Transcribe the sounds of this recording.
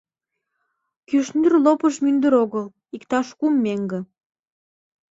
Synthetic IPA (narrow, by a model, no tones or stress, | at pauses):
kyʃnərlopəʃmynd̪əɾoɣəl | ikt̪ɑʃkumːeŋɡə̆